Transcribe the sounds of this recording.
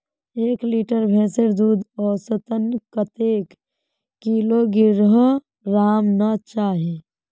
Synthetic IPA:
eːkliːʈəɾbʱɛ̃ːseɾd̪uːd̪ɔːsət̪ənkət̪eːkː | iːloɡɪɾɦ | ɾaːmnət͡ʃaːɦe

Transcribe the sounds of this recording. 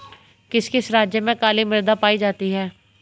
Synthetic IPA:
kɪskisɾaːd͡ʒjəmẽkaːlimɪɾd̪apaːid͡ʒaːt̪iɦɛː

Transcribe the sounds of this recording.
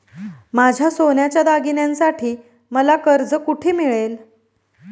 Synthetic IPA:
mad͡ʑʱjasonjat͡ɕjad̪aɡinjãnsaʈʰiː | məlakəɾd͡zəkuʈʰiːmiɭel

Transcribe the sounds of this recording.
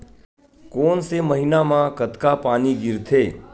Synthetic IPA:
koːnseməɦinamãkət̪kapaːniɡɪɾt̪ʰeː

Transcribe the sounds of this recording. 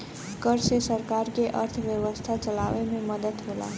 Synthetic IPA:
kʌrsesʌɾkarkeʔʌrt̪ʰəbjʌwʌst̪ʰat͡sʌlawememʌd̪ʌt̪ɦola̰

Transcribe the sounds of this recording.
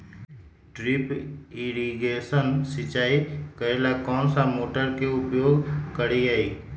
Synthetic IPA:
ʈɾɪpɪɾiɡeːsənsɪt͡ʃaːikəelakɔːnsãmoːʈəɾkeʊpjoːɡkəɾiaːiː

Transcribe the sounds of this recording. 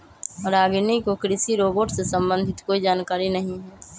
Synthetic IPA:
ɾaːɡnikokɾɪsiɾoːboːʈsesə̃mbə̃nd̪ʱɪt̪koːid͡ʒaːnkaːɾinəɦĩɦɛː

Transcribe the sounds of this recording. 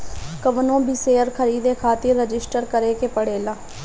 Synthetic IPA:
kəʋnõːbʱiːseːəɾkʰəɾiːd̪eːkʰaːt̪iːɾəd͡ʒɪsʈəɾkəɾeːkeːpəɽeːlaː

